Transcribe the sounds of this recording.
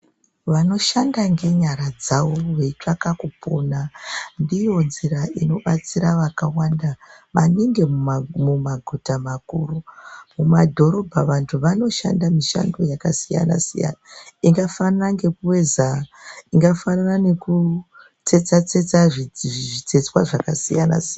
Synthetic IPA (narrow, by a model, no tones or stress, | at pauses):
ʋano̞ʃandaŋɡe̞ɲaɾad͡zawoʋe̞it͡ʂakakupʰo̞nandijo̞nziɾaino̞ɓat͡siɾaʋakawandaʋaniŋɡe̞mmumaɡʱutamakuːrumumadʱo̞ɾo̞bʱaʋantʰuʋano̞ʃa̰ndamiʃa̰ndo̞jakasija̰na̰sija̰naiŋɡafanaraŋɡe̞kuwe̞zaiŋɡafanarane̞ku | t͡se̞t͡sat͡se̞t͡saʐiʐit͡set͡swaʐakasijana̰sian